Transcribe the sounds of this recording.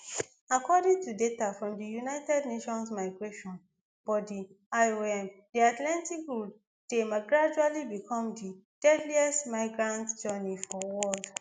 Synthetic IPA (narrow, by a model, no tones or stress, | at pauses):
akɔdĩŋtudetafɹɔ̃mdijunaɪtɛdneʃɔ̃nsmaɪɡɹeʃɔ̃n | b̥ɔdi | aɪoɛ̃m | diatlãntikɹud | d̥emaɡɹad͡ʒualibikʰɔ̃mdi | d̥ɛdliɛstmaɪɡɹãntd͡ʒɛnifɔwɔld